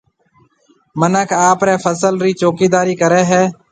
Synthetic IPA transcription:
mənəkʰaːpɾɛːpʰəsəlɾiːt͡ʃoːkiːd̪aːɾiːkəɾɛːɦɛː

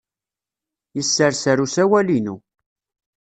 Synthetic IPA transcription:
jəsːəɾsəɾusæwælinu

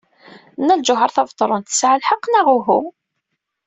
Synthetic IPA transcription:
nːæld͡ʒʊɦəɾˤθɑvt̪ˤːɾˤʊnt̪ə̥sʕalħɑqːnæʁʊɦu

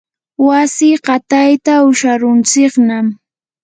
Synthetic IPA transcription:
wasɪɢɑt̪ajt̪aʊʃaɾʊnt͡sɪknam

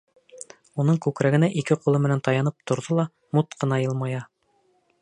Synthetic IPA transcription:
unɤɴkʉkɾæɡɘ̆næʔikɘqulˠɤmɘ̆nænt̪ɑjɑnɤp̚t̪ŏɾðolˠɑ | mut̪qʰɤ̆nɑjɤlˠmɑjɑ

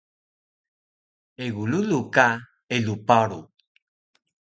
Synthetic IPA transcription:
eɡululuka | elupaɾu

